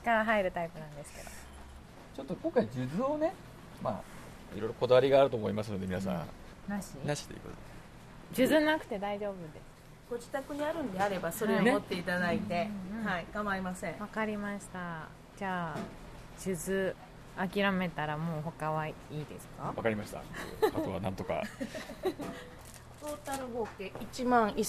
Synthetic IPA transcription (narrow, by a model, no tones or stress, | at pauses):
t͡ɕi̥kaɾaɦaiɾɯ̟t̪aipɯ̟nãnd̪e̞sɨ̥ke̞d̪o̞̰ | t͡ɕo̞t̪ːokõŋkaid͡ʑɨzɨːne̞ | ma̰ː | ḭɾo̞jɾoko̞d̪aβaɾʲiɡaːɾɯ̟t̪oːmoimasɨno̞d̪e̞minas̬ã̰naɕinaɕi̥t̪ojḭkot̪od̪e | d͡ʑɨzɨnakɯ̟̥t̪e̞d̪aiʑo̞ːbɯ̟d̪e̞sɨ̥ | ɡ̥o̞d͡ʑi̥t̪akɯ̟ɲ̟iaɾɯ̟̃nd̪e̞aɾe̞baso̞ɾɾeomot̪ːe̞it̪ad̪ait̪e̞haikãmaɾimasẽ̞βakaɾʲimaɕi̥t̪a | d͡ʑaː | ʑɨzɨ | akʲiɾame̞t̪aɾamo̞ːɦo̞kaβaiːd̪e̞sɨ̥kaβa̰kaɾʲimaɕi̥t̪a̰t̪ḛkat̪oa̰nãnt̪o̞ka̰ | t̪o̞ːt̪aɾɯ̟ɡo̞ːkeʔit͡ɕimãŋ̃i